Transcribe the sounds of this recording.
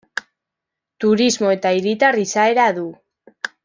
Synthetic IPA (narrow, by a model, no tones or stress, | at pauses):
t̪uɾizmo̞e̞t̪aiɾit̪arisae̞ɾaðu